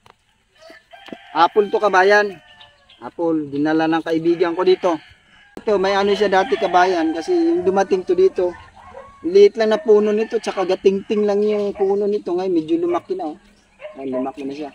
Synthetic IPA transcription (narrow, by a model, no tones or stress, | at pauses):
haːpʊlt̪okɐbaːjan | ha̰ːpold̪ɪnalalɐŋkɐʔɪbiːɡɐŋkod̪iːt̪o̞ | at̪omɐjanoʃ̬ad̪aːt̪ɪkɐbaːjankɐsɛjʊŋd̪ʊmɐt̪ɪŋt̪od̪iːt̪o̞ | lɪʔɪt̪laŋnɐpuːnonɪt̪o̞t͡ʃɐkaɡɐt̪ɪŋt̪ɪŋlaŋjʊŋpuːnonɪt̪o̞ŋajmɛd͡ʒolʊmakːɪna | alʊmak̚ɪnɐʃa